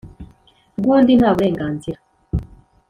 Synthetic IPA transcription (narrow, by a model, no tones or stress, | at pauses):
ɡwondinaːβuɾeːŋɡaːnziɾa